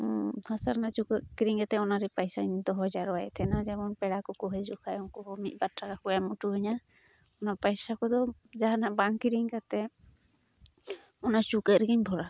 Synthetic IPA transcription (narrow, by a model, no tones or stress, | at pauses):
hasaɾnat͡ʃukəkiɾiŋkat̪ɛɔnaɾipajsaɲd̪ɔɦɔd͡ʒaɾɔajɛt̪ʰɛnazɛbɔnpɛɽakɔkɔɦɛzukʰajɔŋkɔɦɔmit̪̚ˀbatɾakakɔjamɔtuɦɔɲa | ɔnapajsakɔd̪ɔzaɦanabaŋkiɾiŋkat̪ɛ | ɔnat͡ʃukəɾɡiɲbʱɔɾa